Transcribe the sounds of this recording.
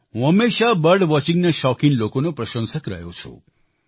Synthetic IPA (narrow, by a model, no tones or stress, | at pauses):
ɦũɦəmːeʃabəɾɖʋɔt͡ʃĩŋɡneʃɔkinlokonopɾəʃə̃nsəkɾə̰ɦjo̰t͡ʃʰo̰